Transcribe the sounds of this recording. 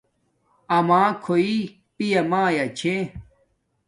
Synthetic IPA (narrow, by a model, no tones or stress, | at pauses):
ɐmaːkʰoi | pijɐmãːjɐt͡ɕʰe